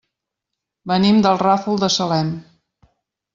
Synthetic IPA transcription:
bənimd̪əlˠrafulˠd̪əsəlɛm

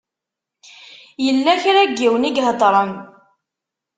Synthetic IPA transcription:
jəlːæçɾæɡːiwəniɡɦəd̪ˤɾˤən

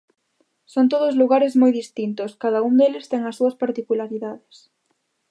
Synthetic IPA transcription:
sont̪̬oð̞ozluɣaɾezmojðist̪int̪oskaðaund̪elɪst̪eŋasːuɐspaɾt̪ikulaɾiðaðes

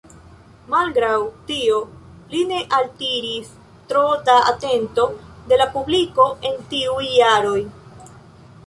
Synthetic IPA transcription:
malɡɾawtio̞line̞ʔaltiɾis | tɾotaa̰te̞nto̞de̞lapubliko̞ʔe̞ntiujːaɾo̞j

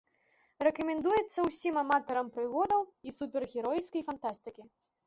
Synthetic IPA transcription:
rɛkɐmʲɛnd̪ujɛt̪sːɐwsʲimamat̪ɐɾɐmpɾɨɣɔd̪ɐwisupʲɛrɣʲɛɾɔj̪skɐjfant̪ast̪ɨkʲi

